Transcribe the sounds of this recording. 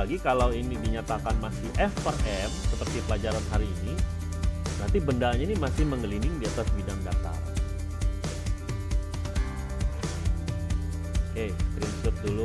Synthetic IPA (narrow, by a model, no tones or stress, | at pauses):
ɡikalawinɪŋdiɲat̪akanmasɪhʔɛfərɛmsəpərt̪ipəlad͡ʒaɾanɦaɾiːni | nant̪ibəndaɲainimasɪhməŋɡəlinɪŋdiat̪asbidaŋdat̪a̰ | kekɾinsʊt̪̚dulu